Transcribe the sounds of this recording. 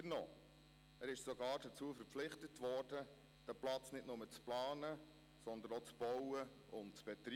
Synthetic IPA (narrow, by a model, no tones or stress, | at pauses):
ənɔː | æːɾɪʃsɔɡɑːɾdət͡suːfəɾpflɪχtətvɔːrd̥ə | d̥æplɑt͡snɪtnʊmət͡splɑːnə | sɔnd̪ənot͡sb̥ɔwə | ʊntt͡sb̥ɛtɾi